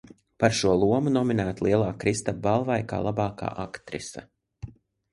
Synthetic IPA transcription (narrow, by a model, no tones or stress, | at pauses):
paɾʃuɔlˠuɔmunɔminæːt̪lˠiɛlˠaːkɾist̪abalˠvajka̰ːlˠabɑːka̰ːʔakt̪ɾḭsa̰